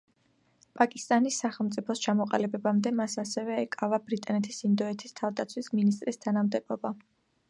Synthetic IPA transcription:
pʼakʼist̪ʼanisːaχɛlˠmt̪sʼipʰɔst͡ʃʰamɔqʼalibɛbamd̪ɛmasasɛvɛːkʼavabɾit̪ʼanɛt̪ʰisind̪ɔɛt̪ʰist̪ʰavd̪at̪sʰwisminist̪ʼɾist̪ʰanamd̪ɛbɔba

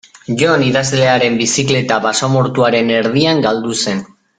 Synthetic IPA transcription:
ʝo̞niðazle̞aɾe̞mbisikle̞t̪aβasomoɾt̪uaɾe̞neɾð̞iaŋɡald̪use̞n

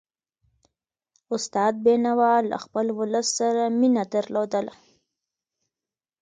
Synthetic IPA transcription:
ʊst̪ɑːd̪̚benawɑlːa̰xpəlwʊləsːaɾaminad̪əɾlod̪əla

